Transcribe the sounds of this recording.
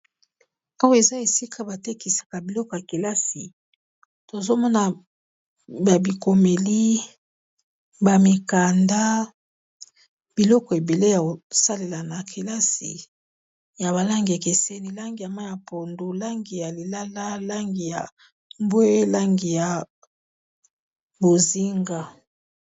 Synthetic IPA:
a˦wa˦˨e˨za˦e˨si˦kʰa˨ba˨te˦ki˨sḁ˨ka˨bi˨lɔ˦kɔ˨ja˨ke˨la˦si˨ | to˨zo˦mɔ˦na˨ | ba˨bi˨ko˨me˨li˦ | ba˨mi˨ka˨nda˦ | b̥i˨lɔ˦kɔ˨e˨be˨le˦ja˨o˨sa˦le˨la˨na˨kʰe˨la˦sḭ˨ | ja˨βa˨la˦ŋɡi˨ja˨ke˨se˦ni˦la˦ŋɡi˨ja˨ma˦ja˨pʰo˨ndo˨la˦ŋɡi˨ja˨li˨la˦la˦la˦ŋɡi˨ja˨ | mbwe˦la˦ŋɡi˨ja˨ | bo˨zi˦ŋɡa˦

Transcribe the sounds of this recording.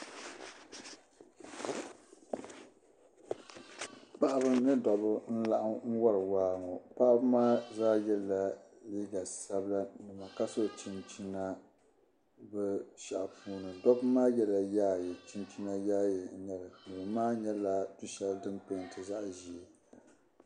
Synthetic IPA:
pa˦ʔa˦bɨ˦nɨ˦dɔ˨bɨ˦n̩˦la˦ʔɨ˦ŋ̩˦wɔ˦ɾɨ˨waː˦ŋɔ˨pa˦ʔa˦bɨ˦maː˦zaː˦jɛ˦lːa˨ | liː˦ɡa˨sa˦bla˦nɨ˨ma˨ka˦so˦˨t͡ʃi˦nt͡ʃi˦na˦ | bɨ˦ʃa˨ʔpʰuː˦nɨ˨dɔ˦bɨ˦maː˦jɛ˦la˨jaː˦jɛ˨t͡ʃi˦nt͡ʃi˦na˦jaː˦jɛ˨˦ɲɛ˦la˨nɨ˨bɨ˨maː˦ɲɛ˦la˨du˦ʃɛ˦ldɨ˦mpe˦˨n˨tɨ˨za˦ʔʒi˨e˨

